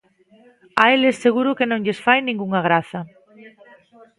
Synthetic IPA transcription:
aelesːeɣuɾʊkenõŋʎesfajnĩŋɡuŋaɣ̞ɾaθɐ

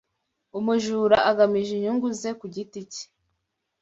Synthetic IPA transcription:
umuʒuɾaʔaɡamiʒiɲuŋɡuze̞kuɟitici̥

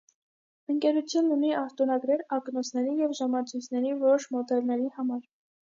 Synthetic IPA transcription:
əŋkɛɾut͡sʰjunːuniɑht̪unɑɡɾɛɾɑknɔsʰnɛɾijɛvʒɑmɑt͡sʰujt͡sʰnɛɾivɔɾɔʃmɔd̪ɛlnɛɾihɑmɑɾ

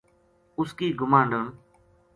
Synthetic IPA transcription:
ʊskiːɡʊmãːɳɖəɳ

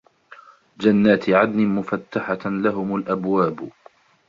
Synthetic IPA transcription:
d͡ʒanːaːt̪ɪʕad̪nɪmʊfat̪ːaħalaɦʊmalʔabwaːb

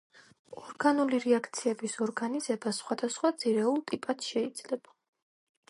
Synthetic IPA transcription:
ɔɾɡanuliɾɛakʰt̪sʰiɛbisɔɾɡanizɛbasχwad̪asχwad̪z̥iɾɛulˠt̪ʼipʼat̪ʃɛid̪zlɛb̥a

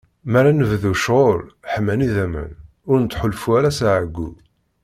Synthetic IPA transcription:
mæɾanəvðuʃʁoɾħmːæniðæmə̰n | ʊɾnət̪ːħolfuæɾæsaʕəɡːu

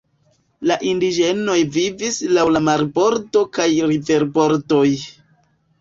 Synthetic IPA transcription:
laʔindid͡ʒe̞no̞jvivislawlamaɾbo̞ɾto̞kajɾive̞ɾbo̞ɾto̞j

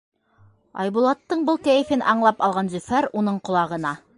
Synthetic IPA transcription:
ɑ̰jbulˠɑt̪ːɤɴbɤlˠkæjɘ̆fɘnʔɑɴlˠɑpɑlˠʁɑnzɵ̆fæɾunɤɴqŏlˠɑʁɤ̆nɑ

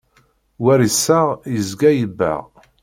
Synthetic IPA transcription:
wæɾisːaʁjəzɡæjəbːæ̰ʁ

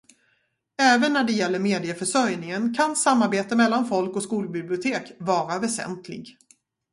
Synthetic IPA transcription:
ɛːvənːæɖɛjɛlːəɾmeːd̪ɪəfœʂœɾjnɪŋənkʰansamːaɾbeːt̪əmɛlːanfɔlkɔkskuːlbɪblɪʊt̪ʰeːkvɑːɾavɛsɛ̰nt̪ʰlɪ̰ɡ

